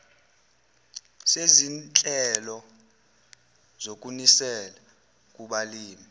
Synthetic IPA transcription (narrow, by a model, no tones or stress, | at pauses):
sezint͡ɬʼɛlɔ | zok̬ʼunisɛla | k̬ʼuɓaliːmi